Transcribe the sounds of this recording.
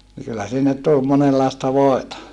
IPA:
ni kylːæ sinːet tul monelːɑˑestɑ ʋoˑetɑ

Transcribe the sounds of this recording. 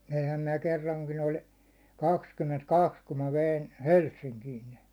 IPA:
ʋeihæm minæ kerːɑŋkin olʲ kɑkskymːentkɑks kum mæ ʋein̞ helsːiŋkiːn ne

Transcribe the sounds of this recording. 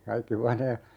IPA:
kɑikːi huɑneː

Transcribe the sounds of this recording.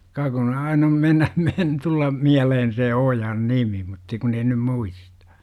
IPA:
kɑ kun ɑin om menːæ men tulːɑm miælehen se ojɑn nimi mutːɑ kun ei nym muistɑ̥

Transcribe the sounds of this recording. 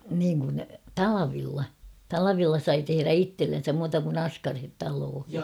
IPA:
niːŋ kun tɑlɑʋilːɑ tɑlɑʋilːɑ sɑi teheræ itːelːensæm muːtɑ kun ɑskɑrhet tɑloːhi

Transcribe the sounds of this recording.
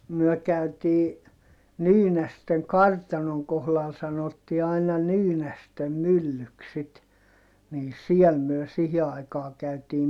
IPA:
myœˑ kæytiː nyːnæsteŋ kɑrtɑnoŋ kohlɑl sɑnotːi ɑinɑ nyːnæstem mylːyks sit niː siɛl myø sihi ɑikɑː kæytiː

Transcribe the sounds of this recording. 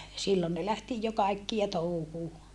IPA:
silːon ne læhti jo kɑikːiɑ touhuː

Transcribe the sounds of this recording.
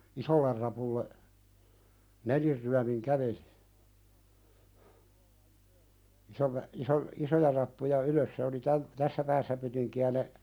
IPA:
isolːer rɑpulːe nelirːyæmiŋ kæʋeli̥ isolːe iso isojɑ rɑpːujɑ yløs se oli tæm tæsːæ pæːsːæ pytiŋkiæ ne

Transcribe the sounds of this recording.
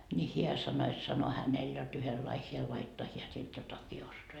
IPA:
nʲi hiæ sɑno et sɑno hænel jot yhelːɑi hiæ lɑitːoɑ hiæ sit jotɑki ostoɑ

